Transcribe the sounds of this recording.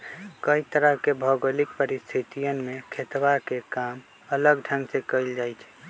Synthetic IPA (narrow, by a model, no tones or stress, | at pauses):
kəit̪əɾəɦkebʱəɡolikpəɾist̪ʰit̪ijənmekʰet̪bakekam | ələɡɖʱʰəŋɡsekəɪld͡ʒajt͡ʃʰ